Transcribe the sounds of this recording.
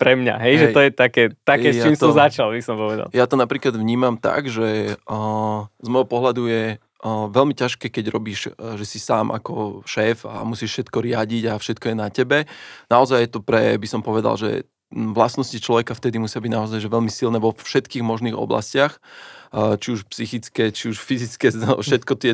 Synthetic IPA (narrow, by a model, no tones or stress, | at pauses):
pɾɛmɲa̰ɦɛjʒɛɔjɛt̪akɛːt̪akɛst͡ʃaiːmsɔzat͡ʃalbisɔmpɔʋɛd̪a̰ljat̪ɔnapɾiːklad̪ʋɲiːmamt̪a̰ɡʒɛ | zmɔjɦɔpɔɦlad̪ujɛ | ʋɛlmicaʃkɛːkɛɟɾɔbiːʃʒɛsisaːmʔa̰kɔʃɛːfa̰musiːʃʃɛt̪kɔɾɪaɟiɟafʃɛt̪̚kɔjɛnacɛbɛnaɔzajjɛt̪ɔpɾɛ̰bisɔmpɔʋɛd̪a̰lʒɛ̰ | ʋlasnɔscit͡ʃlɔʋɛkaft̪ɛd̪imusɪabiɟnaɔzajʒɛʋɛlmisilnɛːʋɔfʃɛt̪kiːɣmɔʒniːɣɔ̰bla̰scɪax | t͡ʃiuʃpsixit͡skɛt͡ʃiuʃfizit͡skɛfʃɛt̪kɔt̪ɪɛ